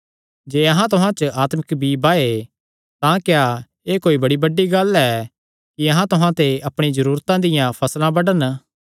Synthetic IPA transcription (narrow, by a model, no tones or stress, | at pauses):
d͡ʒeːɐɦãt̪ʊɦãt͡ʃəaːt̪məkbibaːe | t̪ãkja | eːkoːibɐɽibɐɖːiɡɐlɛ | kiɐɦãt̪ʊɦãt̪eʔɐpɽ̃izɐɾuːɾt̪ãd̪ɪjãpʰɐslãbɐɽən